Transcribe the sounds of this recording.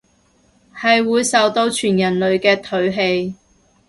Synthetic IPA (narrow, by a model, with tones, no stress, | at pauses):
hɐ˨jwuː˨˧jsɐ˨wt̪o˧wt͡ʃʰyː˨˩njɐ˨˩nlɵ˨ɥkɛː˧t̪ʰɵ˨˥ɥɦe˧j